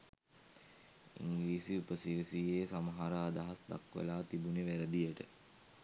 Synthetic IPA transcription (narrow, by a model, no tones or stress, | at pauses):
ḭŋɡliːsiupəsiɾisiːeːsamɐɦaɾaːd̪aɦasd̪a̰kʋə̰laːt̪ibuniʋæɾəd̪ijəʈə